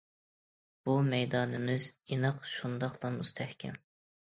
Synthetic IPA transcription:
b̥umɛjd̪ɑːnɪmɪzinɨqʃund̪ɑqlˠɑmust̪ʰɛhkʲʰɛ̰m

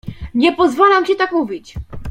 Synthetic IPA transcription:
ɲɛpɔzvalamt͡ɕɛt̪akmuvʲit͡ɕ

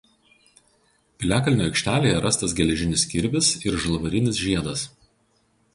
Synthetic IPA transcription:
pʲɪlʲæːkɐlʲnʲoːɐɪkʲʃʲt̪ʲæːlʲeːjɛɾʔɐst̪ɐsɡʲɛlʲɛʒʲɪnʲɪsʲkʲɪɾʲbʲɪsɪɾʒɐlˠʋɐɾʲɪnʲɪsʒʲiɛd̪ɐs

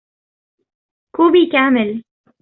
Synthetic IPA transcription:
kubikaːmɪl

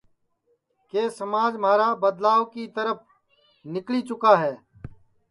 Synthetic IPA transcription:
keːsəmaːd͡ʒmaːɾaːbəd̪laːʋkiːt̪əɾəp̚ʰ | nɪkliːt͡ʃʊkaːɦɛː

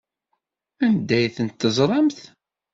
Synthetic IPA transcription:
ænd̪æjθənt̪ːəzˤɾˤɑmθ

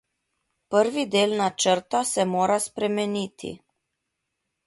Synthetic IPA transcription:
pəɾʋid̪eːlnat͡ʃəɾt̪ɔsɛmoːɾaspɾɛmɛniːt̪ʰḭ

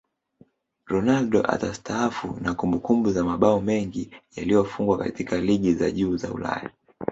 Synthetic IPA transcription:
ɾɔnalɗɔ̰ʔa̰tastʰaafṵnakumbukumbuzamaɓaɔmɛŋɡijalijɔfuŋɡwaka̰tikaliɠiza̰ʄuːza̰ṵla̰ja

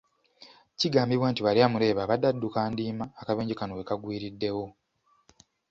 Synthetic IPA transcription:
ciɡaːmbiβwaːntiβaliaːmuɾe̞ːβaːβadːadːukaːndiːmaːkaβeːɲɟikanowekaɡwiːɾidːe̞wo̞

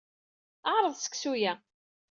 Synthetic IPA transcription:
əʕɾˤəðˤsə̥ksujæ

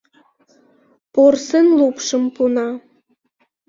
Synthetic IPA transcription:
porsənlupʃə̆mpunɑ

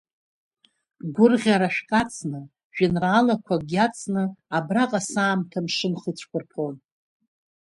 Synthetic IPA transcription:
ɡʷʊrʁʲaɾaʃᶣkʼat͡sʰnɨ | ʒᶣɪnrːlakʷʰaɡʲat͡sʰʼnɨabraqʼasaːmtʰamʂɨmχət͡ɕʷʰkʷʰʼʊrpʰon

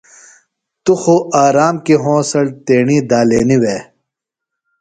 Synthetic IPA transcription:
t̪uxoʔaːɾaːmkiɦõːsɐɽt̪eːɳiːd̪aːleːniweː

